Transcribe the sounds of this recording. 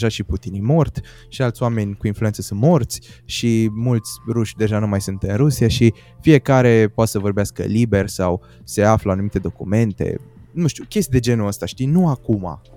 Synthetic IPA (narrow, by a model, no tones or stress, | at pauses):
ʒaʃiput̪inimo̞rt̪ʲ | ʃialt̪sʲjwame̞nʲkuinfluensəsɨnt̪mo̞rt̪sʲʃimult̪sʲruʃʲd̪e̞ʒanumajsunt̪ɨnɾusiaʃi | fije̞kaɾe̞poat̪səvo̞rbeaskə̰libe̞rʲsaw | se̞afləanumit̪e̞d̪o̞kṵme̞nt̪e̞̰nũʃt̪ʲukʲe̞st̪id̪e̞d͡ʒe̞nuəst̪aʃt̪ijnuakuma̰